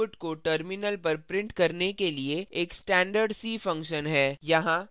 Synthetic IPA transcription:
ʊʈkoʈəɾmɪnəlpɐɾpɾɪ̃ɳʈkɐɾnekelieeːksʈɛ̃ːɳɖəɾɖsiːfɐ̃ŋkʃənɦɛːjɐɦã

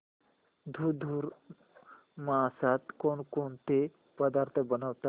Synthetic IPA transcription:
d̪ʱud̪ʱuːɾ | masat̪konkont̪e | pəd̪aɾt̪ʰəbənaʋt̪a

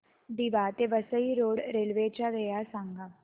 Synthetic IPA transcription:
d̪iʋaːt̪eːʋəsəiɾoːɽɾelʋeːt͡ʃaʋeːjaːsãːŋɡaː

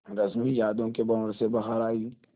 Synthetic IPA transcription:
ɾɐzmijaːd̪õkebɐːɾsebɐɦəɾaːiː

